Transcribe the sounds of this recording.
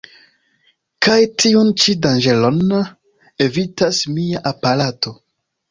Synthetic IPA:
kajtʰiunt͡ʃidanʒelo̞n | e̞vitasmiaʔapaɾato̞

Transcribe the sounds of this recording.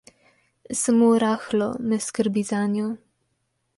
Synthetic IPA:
samoɾaxlɔmɛskəɾbizanjɔ

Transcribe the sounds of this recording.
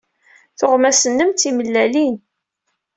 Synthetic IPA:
θʊʁmæsənːəmt̪ːiməlːælin

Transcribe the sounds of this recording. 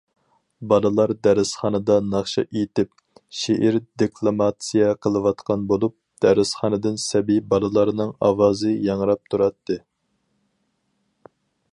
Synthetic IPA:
bɑlˠɨlˠɑɾd̪æɾɪsχɑnɨd̪ɑnɑχʃɑ̰ʔet̪ɪp̚ | ʃeʔiɾd̪ikʰlˠomɑt̪sijɛqʰəlˠɨwɑt̪qʰɑnbolˠup̚d̪̥æɾɨsχɑːnɨd̪ɨnsɛbibɑlˠɨlˠɑɾnɨŋɑ̰wɑːzɨjɑŋɾɑp̚t̪ʰuɾɑt̪ːɨ

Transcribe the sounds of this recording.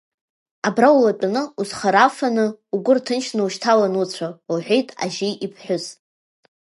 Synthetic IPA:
abrawlat͡pʼanɨuzχaɾafanɨuɡʷʊrtʰɨnʃnɨuʃtʰalanut͡sʷʰauħʷᶣejtʼa̰ʒeʔipʰħʷᶣʊz

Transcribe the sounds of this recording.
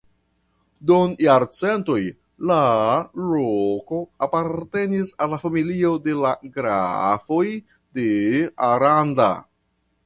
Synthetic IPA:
donjaɾt͡se̞nto̞j | laloko̞apaɾte̞nisalːafamilio̞de̞laɡɾa̰fo̞j | de̞aɾanda̰

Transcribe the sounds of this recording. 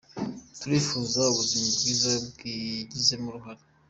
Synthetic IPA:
tuɾiːfuːzauβuzimoβɡiːzabɡiɟize̞muɾuɦaɾe

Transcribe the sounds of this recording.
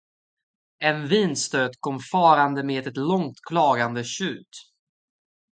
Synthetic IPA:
ɛnviːnst̪øːd̪kʰɔmːfɑːɾand̪əmeːd̪ɛt̪lɔŋt̪kʰlɑːɡand̪əɕʉ̟ːt̪

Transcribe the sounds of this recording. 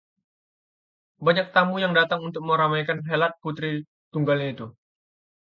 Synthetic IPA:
baɲak̚t̪amujaŋdat̪aŋunt̪ʊk̚məɾamajkanɦelat̪̚put̪ɾi | t̪uŋɡalɲait̪u

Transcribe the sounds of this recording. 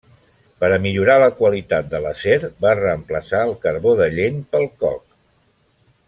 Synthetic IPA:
pəɾəmiʎuɾaləkwəlit̪at̪̚d̪ələseɾbarəːmpləsaəlˠkəɾβoðəʎenpəlˠkɔ̰k

